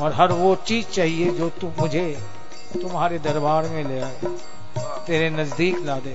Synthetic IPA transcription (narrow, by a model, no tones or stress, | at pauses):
ɔːɾɦɐɾʋot͡ʃiːzt͡ʃaːɦied͡ʒoːt̪umʊd͡ʒʱe | t̪ʊmɦaːɾed̪ɐɾbaːɾmẽleːaːe | t̪eːɾenɐzd̪iːklaːd̪eː